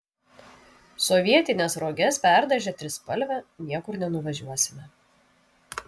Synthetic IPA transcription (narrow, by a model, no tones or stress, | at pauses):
sɔʋʲiɛt̪ʲɪnʲesɾoːɡʲɛspʲæˑɾd̪ɐʒʲɛt̪ʲɾʲɪspɐlʲʋʲɛnʲiɛkʊɾnʲɛnʊʋɐʒʲuɔsʲɪmʲɛ